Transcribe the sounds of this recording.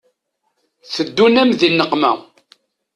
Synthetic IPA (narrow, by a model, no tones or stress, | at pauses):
θəd̪ːunæmðinːəqmæ